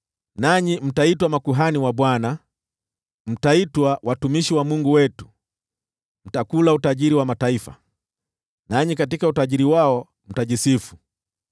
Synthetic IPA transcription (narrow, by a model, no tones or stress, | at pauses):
naɲim̩taitwamakuɦaniwaɓwana | m̩taitwawʔatumiʃiwamuŋɡuwɛtu̥ | m̩takulautaʄiɾiwamataifa̰ | naɲikatikautaʄiɾiwaɔ | m̩taʄisifu̥